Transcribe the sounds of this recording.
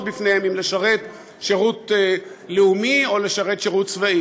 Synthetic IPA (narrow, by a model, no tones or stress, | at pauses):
bifnejhemimleʃaʁe̞t | ʃeʁutleumio̞leʃaʁe̞t̪ʃeʁutt͡svai